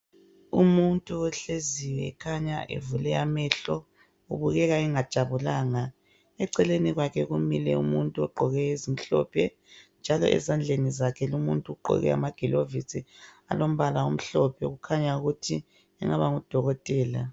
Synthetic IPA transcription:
umuntʼuɔɬeziwɛɛkʰaɲa̰ʔḛvulɛjamɛɬɔ | uβuɣɛɣaɛŋad̥ʒ̥ʱaβulaːŋa | ɛǀɛleniɣwakʰɛɣumilɛ̰ṵmuntʼuɔɡ͡ǃʱɔɣɛezim̩ɬɔ̰pʰɛ | nd͡ʒʱalɔ̰ʔɛ̰zand͡ɮʱenizakʰɛlumuntʼuɡ͡ǃʱɔ̰ɣɛ̰a̰maɡ̥ʱilovisʼia̰lom̩βalaum̩ɬɔpʰɛɣukʰaɲauɣutʰi | ɛŋaβaŋud̥ʱɔɣɔtʼɛːla

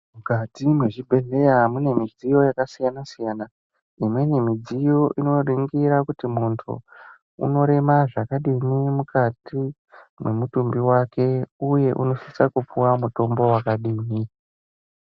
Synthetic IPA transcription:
mukatimwe̞ʐibʱe̞ɮe̞jamune̞mid͡zijo̞jakasijanasijana | imwe̞ne̞mid͡zijo̞ʔino̞riŋɡiɾakutimuntʰṵ | ṵno̞ɾe̞maʐakaɗimimukati | mwe̞mutumbiwake̞uje̞ʔuno̞sisakup͡fuwamuto̞mbo̞wakaɗimi

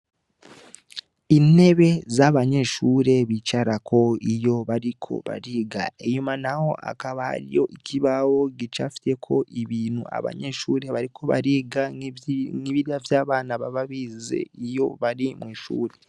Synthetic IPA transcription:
ine̞βe̞zaβaɲe̞ːʃuːɾe̞βit͡ʃaɾakʰo̞ijo̞βaɾikʰo̞̰βa̰ɾiːɡa̰eɲumanaho̞ʔa̰kaβaha̰ɾijo̞ʔicʰiβawo̞ɡit͡ʃafi̥te̞kʰo̞ʔiβiːnua̰βa̰ɲe̞ːʃuːɾe̞βaɾikʰo̞βa̰ɾiːɡa | ŋiβiɾiavjaːβaːnaβaβaβizḛijo̞βaɾimwiːʃṵːɾe̞

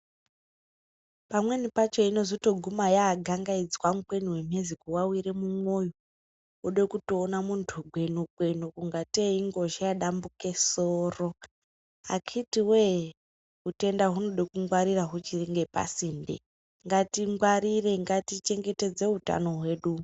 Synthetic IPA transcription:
pamwe̞nipat͡ʃo̞ino̞zotoɡʱumajaːɡʱaŋɡaid͡zwamukwe̞niwem̤ezikuwawiɾe̞mumo̞jo | uɗekutoːnamuntʰuɡʱwe̞nukwe̞nokuŋɡateiŋɡo̞ʒajaɗambukesoːro̞ | a̰kʰitiwe | ɦute̞ndaɦuno̞ɗekuŋɡwaɾiraɦut͡ʃiriŋɡe̞pa̰sindḛ | ŋɡatiŋɡwaɾire̞ŋɡatit͡ʃe̞ŋɡe̞te̞d͡ze̞ɦuta̰no̞ɦwe̞ːɗu

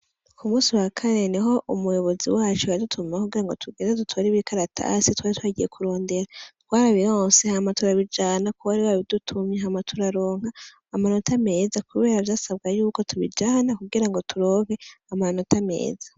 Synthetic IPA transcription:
kʰumuːsiwakʰane̞niɦo̞ʔumujo̞βo̞zḭwaːt͡ʃuadutʰumakuɡiɾaŋɡo̞̰tʰuɡeːnadutʰoɾiβikʰaɾatʰa̰sitwaːɾitwaːɟije̞kʰuɾo̞ːndeɾatwaːɾaβihoːnsehamatuɾaβid͡ʒaːnakuwaɾiwaβidutʰumɲeɦamatʰuɾaɾo̞ːŋ̥haː | mano̞tʰame̞ːzakuβe̞ːɾavjaːsabɡajuːko̞tʰuβḭd͡ʒaːnakuɡiɾaŋɡo̞tʰuɾo̞ːŋhe̞amano̞tame̞̰ːza

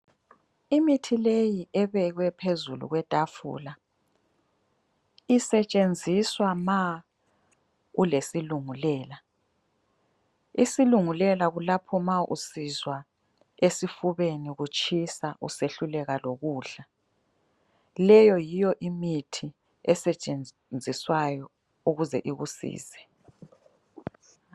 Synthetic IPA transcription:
imitʰilejiʔɛβɛɣwɛpʰezulṵɣwɛtʼafṵːla | isɛt͡ʃʼend͡zʱiswama | ulesiluŋulɛːla | isiluŋulɛlaɣulapʰɔmaʔṵsizwa | esifuβeniɣut͡ʃʼʰisaʔṵseɬulɛɣaloɣuːɬa | lɛjɔjijɔʔimitʰi | ɛsɛt͡ʃʼen | nd͡zʱiswajɔ | uɣuzɛ̰ʔiɣusḭːzɛ̥

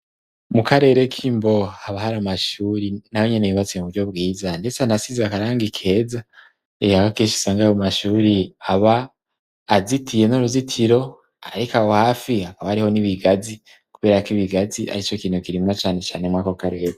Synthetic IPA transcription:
mukaɾe̞ːɾe̞kʰimbo̞haβahaɾamaʃuɾinawoɲenejiβat͡siemuβuɾɟo̞bɡiːzande̞t͡seanasizakaɾaːŋɡikʰe̞za | eakakiːʃi̥saŋɡaβomaʃuːɾiaβaː | zitʰije̞noɾuzitʰiɾo̞ | a̰ɾikawohaːfiakaβahaɾiho̞niβiɡazi | kuβe̞ːɾakiβiɡazia̰ɾit͡ʃo̞kiːn̥hukiɾimŋat͡ʃaːne̞t͡ʃaːne̞mŋaːkokaɾe̞ːɾe

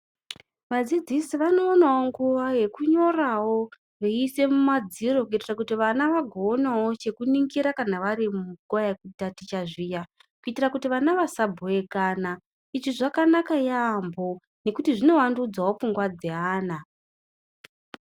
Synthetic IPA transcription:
ʋad͡zid͡zisiʋano̞ːnawoŋɡuʋaje̞kuɲo̞rawo̞ | reise̞mumad͡ziɾo̞kuitirakutiʋanaʋaɡʱo̞ːnawo̞t͡ʃe̞kuniŋɡiɾakanaʋaɾimuɡoak̚utatit͡ʃaʐija | kuitirakutiʋanaʋasabʱoe̞kana | it͡ʃiʐakanakajambo̞ | ne̞kutiʐino̞ʋandud͡zwawo̞p͡fuŋɡwad͡zeɦaːna

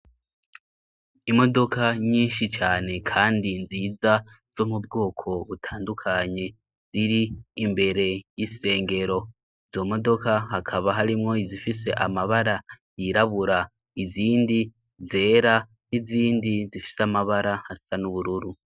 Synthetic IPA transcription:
imo̞do̞kaɲiːnʃit͡ʃaːne̞kʰaːndinziːza | z̥o̞mubɡo̞ːkʰo̞βutʰaːndukʰaɲe̞ | z̥iɾiːmbe̞ɾe̞jise̞ːŋɡe̞ɾo̞ | iz̥o̞mo̞do̞kaɦakʰaβaɦaɾimŋo̞izifise̞ʔa̰maβaɾa | jiɾaβuɾa | iziːndi | ze̞ːɾa | niziːndizifi̥seamaβaɾahasanuβuɾuɾu

